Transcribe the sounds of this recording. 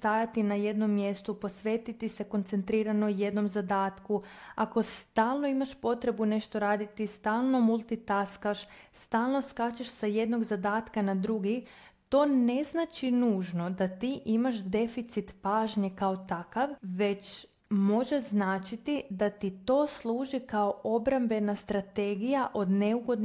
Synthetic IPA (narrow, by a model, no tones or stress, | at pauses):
st̪ajat̪inaje̞d̪no̞mːje̞st̪upo̞sʋet̪it̪ise̞ko̞nt̪sent̪ɾiːɾanoje̞d̪no̞mzad̪aːt̪kuako̞st̪aːlˠno̞imaʃpo̞t̪ɾe̞bune̞ʃt̪o̞ɾaːd̪it̪ist̪aːlˠno̞mulˠt̪it̪askaʃst̪aːlˠno̞skat͡ɕeʃsaje̞d̪no̞ɡzad̪aːt̪kanad̪ɾuɡi | t̪o̞ːne̞znaːt͡ʃinuːʒno̞d̪at̪iʔimaʃd̪e̞fit̪sit̪paːʒɲekao̞t̪akaʋʋe̞t͡ɕ | mo̞ʒeznaːt͡ʃit̪id̪at̪it̪o̞ːslˠuːʒikao̞ʔobɾambe̞nast̪ɾat̪e̞ːɡijaʔo̞d̪ne̞uɡo̞d̪n